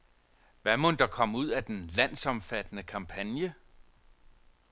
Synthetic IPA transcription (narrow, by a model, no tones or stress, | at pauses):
ʋæmond̥ɑ̈kʰɒ̽muð̞̰ˠæd̥enlæn̰sɒ̽mfæd̥ənəkʰɑ̈mpʰænjə